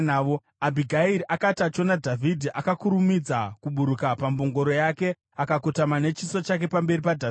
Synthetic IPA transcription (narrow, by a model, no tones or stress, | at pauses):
nːo | abʱiɡʱaiɾiʔakatat͡ʃo̞nadʱavʱidʱiʔakakuɾumid͡zakuɓuɾukapamboŋɡo̞ɾo̞jake̞ | akakotamane̞t͡ʃiso̞t͡ʃak̬e̞pambe̞ɾipadʱa